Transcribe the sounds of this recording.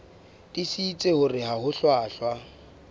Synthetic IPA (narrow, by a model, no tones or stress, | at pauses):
d̥isiːt͡sʼehʊrɪɦaɦʊɬwaːɬwa